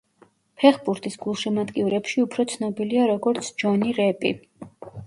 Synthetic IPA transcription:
pʰɛχbuɾt̪ʼisɡ̥ulˠʃimat̪ʼkʼiuɾɛpʃiupʰɾɔt̪sʰnɔbiliaɾɔɡɔɾt̪sʰd͡ʒɔniɾɛpʼḭ

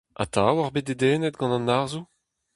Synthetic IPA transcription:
ʔa̰t̪ʰawaʁbet̚ded̪ɛːnɛt̪̚ɡɑ̃nɑ̃nːaʁzu

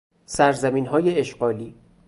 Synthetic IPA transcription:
sæɾzæmiːnɦɒːjeeʃɢɒːliː

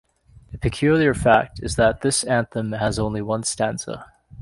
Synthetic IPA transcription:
ðɨpʰɨkʰj̥ʉlˠjə˞fæk̚tʰɨzðət̪̚ðɪsæ̃nθə̃məzõʊ̃nliwʌ̃nstæ̃nsə̰

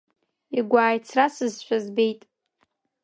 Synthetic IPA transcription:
iɡʷaːjt͡sʰrasɨzʃʷᶣʰazbejtʼ

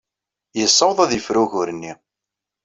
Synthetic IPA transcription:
jəsˤːɑwðˤæðjəfɾuɣʊɾənːi

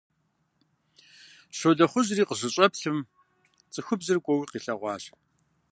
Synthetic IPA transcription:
ɕodɐχʷʊʑriːqəʑɨɕʼɐpɬɨm | t͡sʼɨxʷʊbzɨrkʷʼɔwiːqiːɬɐʁʷɑːɕ

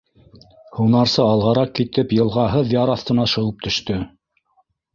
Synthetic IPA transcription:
hunɑɾsɤɑlˠʁɑɾɑq̚kit̪ɘpjɤ̆lˠʁɑɦɤðjɑɾɑθt̪ɤ̆nɑʃɤ̆wɤp̚t̪ʰɵ̆ʃt̪ɵ

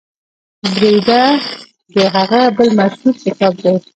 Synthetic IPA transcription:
bɾed̪a | d̪əɦaɣabəlmaʃhut̪̚kɪsɑb̚d̪e

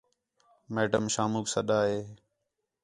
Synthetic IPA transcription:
meːɖəmʃaːmuːksəɗaːɦeː

